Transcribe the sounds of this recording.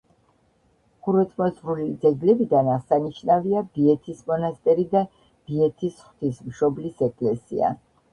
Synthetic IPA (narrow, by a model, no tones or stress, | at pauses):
χuɾvɛt̪ʰmɔzɾulid̪zɛɡlɛbid̪anasaniʃnaviab̥iɛt̪ʰismɔnast̪ʼɛɾid̪a | b̥iɛt̪ʰisχwt̪ʰismʃɔblisɛkʼlɛsḭa̰